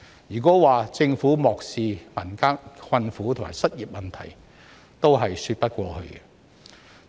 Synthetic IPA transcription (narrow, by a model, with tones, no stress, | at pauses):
jyː˨˩kɔː˨˥waː˨t͡sɪ˧ŋfuː˨˥mɔː˨k̚siː˨mɐ˨˩nkaː˥ŋkʰwɐ˧nfuː˨˥t̪ʰo˨˩ma̰ː˨˩jsɐ˥t̚jiː˨˩p̚mɐ˨nt̪ʰɐ̰˨˩j | t̪o˥wɦɐ˨jsyː˧t̚pɐ˥t̚kʷɔː˧hɵ̰˧ɥɡɛ˧